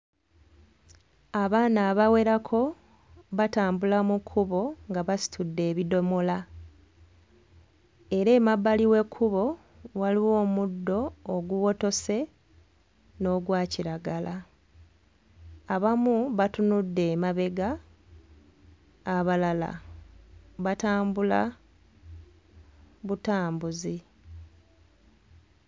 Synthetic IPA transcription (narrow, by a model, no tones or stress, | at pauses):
aβaːnaːβawe̞ɾakʰo̞ | βataːmbulamukʰːuβo̞ŋɡaβasi̥tudːe̞ːβido̞mola | e̞ɾe̞ːmabːaliwe̞kʰːuβo̞ | waliwo̞ːmudːo̞ːɡuwo̞to̞se̞ | no̞ɡwaːciɾaɡala | aβamuβatunudːe̞ːmaβe̞ɡa | βalala̰ | βataːmbula̰ | βutaːmbuzi